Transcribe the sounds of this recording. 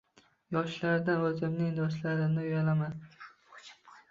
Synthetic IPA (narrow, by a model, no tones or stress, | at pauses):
jɒʃlaɾd̪anɵzɪmnɪŋd̪ɒʃ̬laɾɪnɪjalaman